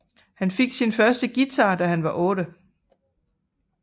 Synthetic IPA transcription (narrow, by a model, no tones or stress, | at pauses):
hænfe̝ɡ̥sinfɶɐsd̥əɡ̥it͡sʰɑ̰̈ːd̥æɦænʋɑ̈ʔɔ̽ːɾ̥ə